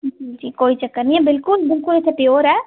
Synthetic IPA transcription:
d͡ʒid͡ʒiːkoːit͡ʃɐkːəɾniɛ̃bɪlkʊlbɪlkʊlet̪ʰepjoːɾɦɛː

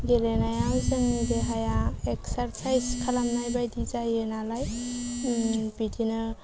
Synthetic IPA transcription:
ɡelenajamsɯŋnideɦajaeksaɾsajskʰalamnajbajdizajenalaj | bidinɯ

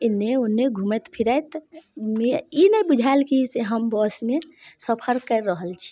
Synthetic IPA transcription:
ɪnːeonːeɡʱumət̪pʰiɾaet̪meinəibud͡ʒʱaelkiseɦəmbɔsmesəpʰəɾkəɾːəɦəlt͡ʃʰi̥

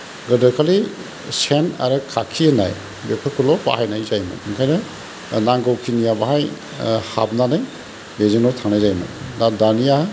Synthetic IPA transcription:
ɡɯdakʰali | sena̰ɾɯkʰakʰiena̰j | bepʰɯkʰulɔpa̰hajnajzajmɯ̰iŋkʰajnɐ | naŋɡawkʰinijabaɦaj | ha̰b̚nanaj | bezenɔtʰaŋnajzajmɯ̰dadanija

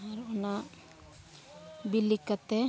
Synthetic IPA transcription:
aɾona | bilːikːət̪e

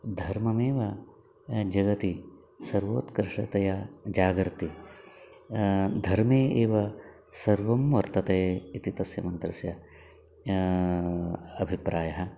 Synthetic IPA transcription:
d̪ʱɐɾmɐmeːʋɐ | d͡ʒɐɡɐt̪i | sɐɾʋoːt̪kɾɪʂɐt̪ɐjɐd͡ʒaːɡɾt̪i | d̪ʱɐɾmeːʔeːʋɐ | sɐɾʋɐmʋɐɾt̪ɐt̪ɐjɐit̪it̪ɐsjɐmɐnt̪ɾɐsjɐ | ɐbʱipɾaːjɐɦɐ̆

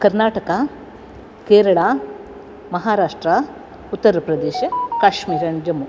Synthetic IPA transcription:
kɐɾnaːʈɐkɐ | keːɾɐɭaː | mɐɦaːɾaːʂʈɾa | ut̪ːɐɾɐpɾɐd̪eːʃɐkaːʂmiːɾɐnd͡ʒɐmu

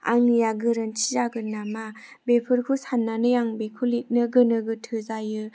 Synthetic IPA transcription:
a̰ŋijaɡɯɾɯnt͡ʃʰizaɡɯnːamabepʰɯɾkʰusanːanɯjaŋbekʰulit̚nɯɡɯnɯɡɯtʰɯzajɯ

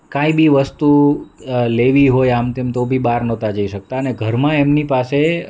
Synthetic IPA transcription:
kãibiʋəst̪u | leʋiɦojamt̪emt̪obʱibaɾnɔ̃t̪ad͡ʒəiʃək̚t̪aəneɡʱəɾmãemnipase

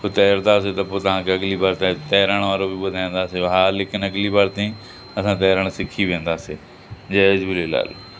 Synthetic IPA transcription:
ʊt̪ɛːɾt̪aːs̬et̪ɐpoːt̪ɐʋ̤ãːkeɐɡliːbaːɾt̪ãt̪ɛːɾaːɽ̃ʋaːɾoːbɪbʊd̪ʱaːẽːnd̪aːseːɦaːlɪkɪnəɡliːbaːɾt̪ẽĩː | ɐsãːt̪ɛːɾəɽ̃sɪkʰiːʋẽːnd̪aːseː | d͡ʒɛːd͡ʒbɪleːla̰ːl

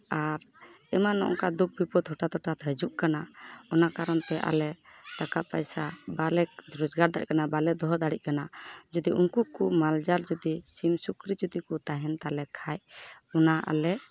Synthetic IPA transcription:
aɾ | ɛmanɔ̰ʔɔ̰ŋkad̪uk̚bipɔd̪ɦɔʈat̪ɔʈat̪əd͡ʒuʔkanaɔnakaɾɔnt̪ɛʔa̰lɛt̪akapajsabalɛd͡ʒɾɔd͡ʒɡaɾd̪aɽḭc̚kanabalɛd̪ɔɦɔd̪aɽic̚ˀkanad͡ʒɔd̪iʔuŋkukumald͡ʒaɾd͡ʒud̪isimsukɾid͡ʒud̪ikut̪aɦɛnt̪alɛkʰajɔnaʔa̰lɛ

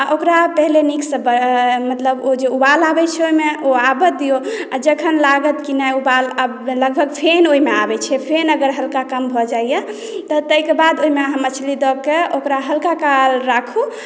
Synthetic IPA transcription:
aʔokɾapəɦleniksəbəmət̪ləbod͡ʒeubalabɛt͡ʃʰɛoimeoabət̪̚d̪ijoad͡ʒəkʰənlaɡət̪kinajubala | ləɡbʱəɡpʰenoɦimeabɛt͡ʃʰɛpʰenəɡəɾɦəlkakəmbʱɔd͡ʒaijɛ | t̪ɔt̪əikebad̪oɦimeəɦãmət͡ʃʰlid̪ɔb̚keokɾaɦəlkakalɾakʰu

